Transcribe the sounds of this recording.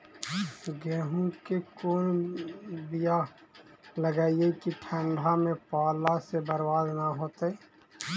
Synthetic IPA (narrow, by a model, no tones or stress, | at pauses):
ɡɛːɦũkekoːn | bija | ləɡaːiekiʈʰə̃ɳɖʱamẽpaːlasebəɾwaːd̪naɦoːt̪ɛ